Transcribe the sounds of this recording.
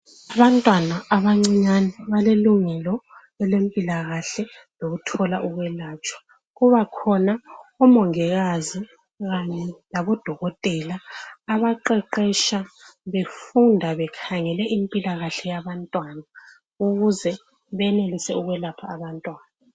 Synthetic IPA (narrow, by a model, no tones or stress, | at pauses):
aβantʼwanaaβaŋ͡ǀiɲanɛβaleluŋɛlɔ | ɛlempʼilaɣaɬɛ | loɣutʰɔlaʔuɣwɛlaːt͡ʃʼwḁ | ɣuβakʰɔnaɔmɔŋɛɣazi | ɣaɲɛlaβɔd̥ʱɔɣɔtʼɛlaːβaǃɛǃɛʃaβefundʱaβɛkʰaŋɛlɛʔimpʼilaɣaɬɛjaβantʼwana | uɣuzɛ | βɛnelisɛuɣwɛlapʰaːβantʼwaːna